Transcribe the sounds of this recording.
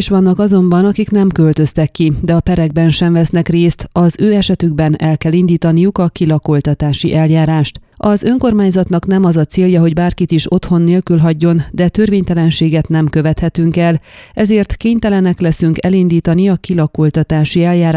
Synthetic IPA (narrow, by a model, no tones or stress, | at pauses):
ʃʋɒnːɒkɒzo̞mbɒnɒkikn̪ɛmkølt̪ø̞st̪ɛkːid̪ɛɒpɛɾɛɡ̚bɛnʃɛɱvɛsnɛkreːst̪ɒzøːɛʃɛt̪yɡbɛnɛlkɛlind̪iːt̪ɒnijukɒkilɒko̞lt̪ɒt̪aːʃiʔɛljaːɾaːʃt̪ɒzø̞ŋko̞rmaːɲzɒt̪nɒkn̪ɛmɒzɒt̪seːljɒɦo̞ɟbaːrkit̪iʃo̞t̪ho̞nːeːlkylɦɒɟːo̞nd̪ɛt̪ørveːɲt̪ɛlɛnʃeːɡɛt̪nɛmkø̞vɛt̪hɛt̪yŋkɛlɛzeːrt̪keːɲt̪ɛlɛnɛklɛsyŋkɛlind̪iːt̪ɒniɒkilɒkolt̪ɒt̪aːʃiɛljaː